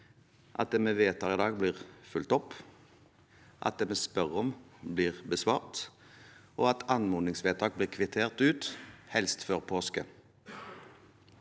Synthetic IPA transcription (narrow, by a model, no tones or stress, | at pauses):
ʔɑ̰t̪̚d̪eːmeːʋeːt̪ɑːʁɪd̪ɑːɡ̚bliːʁfʉlt̪ɔp | ʔɑ̰t̪̚d̪eːmeːspœʁɔmbliːʁbəsʋɑːʁt̪ | ʔoːɑt̪ɑnmʊnɪŋsʋeːt̪ʰɑːk̚bliːʁkʰʋɪt̪ʰeːʁt̪ʉːt̪hɛlst̪fɔʁpʰoːskə